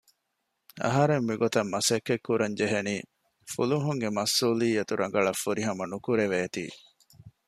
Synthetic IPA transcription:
ɐ̰ɦɐɾemːiɡot̪ɐmːɐsekːekːuɾɐɲd͡ʒeɦeniː | fuluɦuŋɡemɐsːuːliːɐt̪uɾɐŋɡɐɭɐfːuɾiɦɐmɐnukuɾeʋeːt̪ḭː

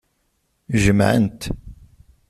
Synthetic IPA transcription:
ʒəmʕə̰nt̪

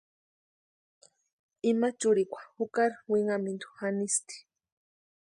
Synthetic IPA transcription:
imat͡ʃʊɾikʷḁhukaɾwiŋamind̪u̥xanist̪i̥

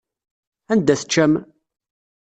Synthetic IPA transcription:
ænd̪æθə̥t͡ʃːæm

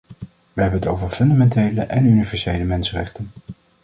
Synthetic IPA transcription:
ʋəɦɛbənətowvəɹfɵndamɛntejləʔɛnynivɛɹsejləmɛnsərɛ̰χtən

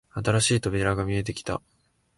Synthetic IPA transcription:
at̪aɾaɕiːt̪o̞bʲiɾaɡamʲie̞t̪̬e̞kʲi̥t̪a̰

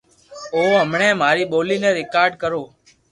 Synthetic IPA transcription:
oːɦəmɳeːm̤aːɾiːɓoːliːnẽːɾɪkaːɾɖkəɾoː

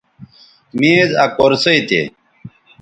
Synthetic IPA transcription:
mizakoɾsɐit̪ḛ

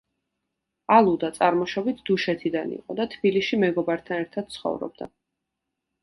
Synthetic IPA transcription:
alˠud̪at̪sʼaɾmɔʃɔbit̪ʰd̪̥uʃɛt̪ʰid̪anḭqʼɔd̪at̪ʰbiliʃimɛɡɔbaɾt̪ʰanɛɾt̪ʰad̪̥̚t̪sʰχɔ̰vɾɔ̰b̚d̪a̰

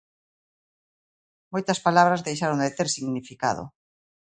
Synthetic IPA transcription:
mojt̪ɐspalaβ̞ɾazðejʃaɾõnd̪et̪eɾsiɣnifika̰ðo̰

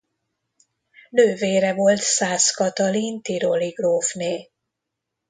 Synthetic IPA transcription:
nøːveːɾɛvo̞lt̪saːskɒt̪ɒlint̪iɾoliɡroːfneː

